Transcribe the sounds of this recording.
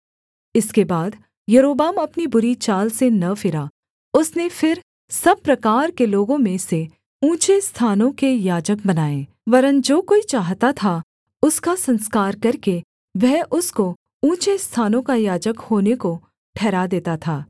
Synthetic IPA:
ɪskebaːd̪ | jɐɾoːbaːmɐpnibʊɾit͡ʃaːlsenɐfɪɾa | ʊsnefɪɾ | sɐb̚pːɾɐkaːɾkeloːɡõmẽse | ũːt͡ʃest̪ʰaːnõkejaːd͡ʒək̚bɐnaːẽː | ʋɐɾənd͡ʒoːkoːit͡ʃaːɦt̪at̪ʰa | ʊskasɐ̃nskaːɾkɐɾke | ʋɛɦʔʊsko | ũːt͡ʃest̪ʰaːnõkajaːd͡ʒəkhoːneko | ʈʰɛːɾad̪eːt̪at̪ʰaː

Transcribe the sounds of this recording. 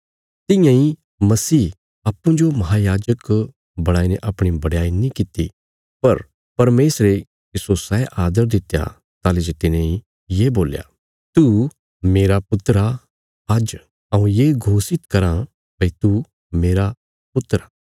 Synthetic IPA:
t̪ɪ̃jãĩ | mɐsiː | aːpːũd͡ʒomɐɦaːjaːd͡ʒək | bɐɽ̃aːineʔɐpɽ̃ibɐɽjaːinĩkɪt̪ḭ | pɐɾ | pɐɾmeːsɾe | kisosɛːʔaːd̪əɾd̪ɪt̪ːja̰ | t̪aːled͡ʒet̪ɪnẽĩ | jeːboːlja̰ | t̪u | meːɾapʊt̪ɾa | ɐd͡ʒ | ɐũjeːɡʱoːsɪt̪kɐɾã | bɐit̪u | meːɾa | pʊt̪ɾa

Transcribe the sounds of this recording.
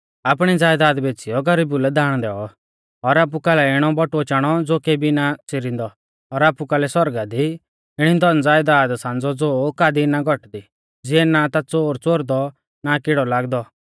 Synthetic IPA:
ap̬ɽ̃id͡zaːjd̪aːd̪beːt͡sijɔɡɐɾiːbulɛd̪aːɽ̃d̪ɛːɔ | ɔɾaːp̬ukaːlɛɪɽ̃ɔbɔʈot͡ʃaːɽ̃ɔd͡zoːkebinat͡sɪɾɪ̃nd̪ɔ | ɔɾaːpukaːlɛsɔɾɡad̪i | ɪɽ̃id̪ɔnd͡zaːjd̪aːd̪sãːnd͡zɔd͡zoːkaːd̪inaɡʱɔʈd̪i | d͡zɪɛnat̪at͡soːɾt͡soːɾd̪ɔ | nakɪɽɔlaːɡd̪ɔ

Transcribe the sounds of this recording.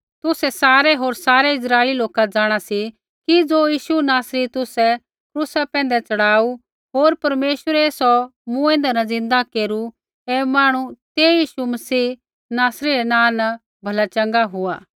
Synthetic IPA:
t̪ʊsɛsaːɾɛɦoːɾsaːɾɛɪs̬ɾaːɪliloːkad͡zaːɽ̃asi | kid͡zoːjiːʃunaːsɾit̪ʊsɛ | kɾuːsapɛ̃ːn̆d̪ɛt͡sɐɽaːu | ɦoːɾpɐɾmeːʃʋəɾɛeːsɔmũẽːnd̪ɛnɐd͡zɪ̃nd̪akeːɾu | ɛmãːɽ̃ut̪eːjiːʃumɐsiː | naːsɾiɾɛnãːnɐ | bʱɐlat͡ʃɐ̃ŋɡaɦʊaː

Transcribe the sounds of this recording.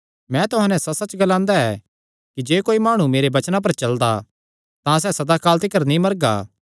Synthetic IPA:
mɛ̃t̪ʊɦãːnɛ̃sɐsɐt͡ʃɡɐlãːnd̪aɛ | kid͡ʒeːkoːimaːɽ̃umeːɾebɐt͡ʃnap̬ɐɾt͡ʃɐld̪a | t̪ãs̬ɛːsɐd̪akaːlt̪̬ɪkəɾnĩmɐɾɡa̰ː

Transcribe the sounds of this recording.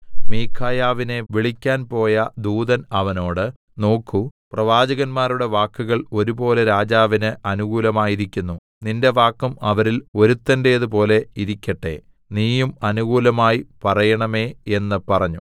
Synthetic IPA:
miːkʰaːjaːʋine̞ʋiɭikʲːaːnpo̞ːjɐd̪uːðɐnɐʋɐno̞ːɽɨ | no̞ːkʰːuprɐʋaːd͡ʑɐɣɐnmaːɾuɽe̞ʋaːkːuɣɐɭo̞ɾubo̞ːle̞ɾaːd͡ʑaːʋinɨʔɐnuɣuːlɐmaːjiɾikʲːunːu | ninde̞ʋaːkːumɐʋɐɾilo̞ɾut̪ːɐnde̞jɐðupo̞ːle̞iɾikʲːɐʈːe̞̰ | niːjumɐnuɣuːlɐmaːjipɐrɐjɐɳɐme̞ːe̞nːɨpɐrɐɲːu

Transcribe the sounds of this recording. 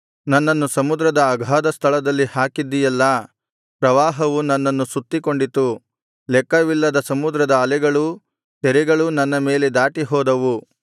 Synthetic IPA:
nɐnːɐnːusɐmud̪ɾɐd̪ɐːɡʱaːd̪ɐst̪ʰɐɭɐd̪ɐlːihaːkid̪ːijɐlːɐ | pɾɐʋaːɦɐʋunɐnːɐnːusut̪ːiko̞ɳɖit̪u | lɛkːɐʋilːɐd̪ɐsɐmud̪ɾɐd̪ɐːlɛɡɐɭu | t̪ɛɾɛɡɐɭunɐnːɐme̞ːled̪aːʈiɦɔːd̪ɐʋu

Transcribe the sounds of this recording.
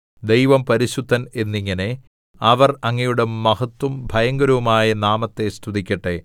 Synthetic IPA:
d̪ejʋɐmpɐɾiɕud̪ʱːɐne̞nːiŋːɐne̞ | ɐʋɐrɐŋːɐjuɽemːɐɦɐt̪wɐmbʱɐjɐŋɡɐɾɐʋumaːjɐnaːmɐt̪ːe̞st̪ʰud̪ikʲːɐʈːe

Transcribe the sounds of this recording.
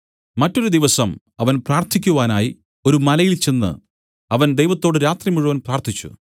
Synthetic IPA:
mɐtːo̞ɾud̪iʋɐsɐm | ɐʋɐnpraːrt̪ʰikʲːuʋaːnaːji | o̞ɾumɐlɐjilt͡ɕe̞nːɨ̰ | ɐʋɐnd̪ejʋɐt̪ːo̞ːɽɨɾaːt̪rimuɻuʋɐnpraːrt̪ʰit͡ɕːṵ

